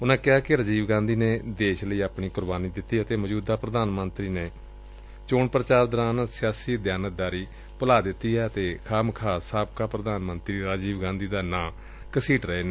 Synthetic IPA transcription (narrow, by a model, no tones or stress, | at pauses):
ʊnãːkɪɦaːkɪɾəd͡ʒiːʋɡãːnd̪iːneːd̪eːʃləiːaːpɳiːkʊɾbaːniːd̪ɪt̪ːiːət̪eːməd͡ʒuːd̪aːpɾəd̪aːnmənt̪ɾiːneː | t͡ʃoːɳpəɾət͡ʃaːɾd̪əɾaːnsɪjaːsiːd̪jaːnək̚d̪aːɾiː | pəlaːd̪ɪt̪ːiːɛːət̪eːkʰaːmkʰaːsaːb̚kaːpɾəd̪aːnmənt̪ɾiːɾaːd͡ʒiːʋɡãːnd̪iːd̪aːnãː | kəsiːʈɾəeːneː